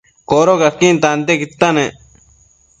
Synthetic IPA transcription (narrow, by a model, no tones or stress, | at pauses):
koːɾokakːiːnt̪ant̪̬ekit̪ːane